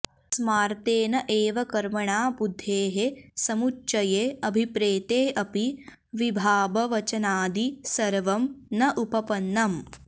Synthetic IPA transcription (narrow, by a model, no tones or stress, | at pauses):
smaːɾt̪eːnɐʔeːʋɐkɐɾmɐɳaːbud̪ʱːeːɦesɐmutːʃɐjeːɐbʱipɾeːt̪eːɐpi | ʋibʱaːbɐʋɐt͡ʃɐnaːd̪isɐɾʋɐmnɐʔupɐpɐnːɐm